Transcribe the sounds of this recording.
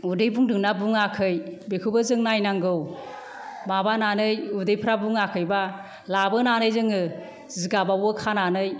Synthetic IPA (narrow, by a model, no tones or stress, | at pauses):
udɯjbuŋdɯŋnabuŋakʰɯjbekʰɯbɯzɯŋnajnaŋɡɯw | mabananɯjudɯjpʰɾabuŋakʰɯjba | labɯnanɯjzɯŋɯ | ziɡabawɯkʰananɯj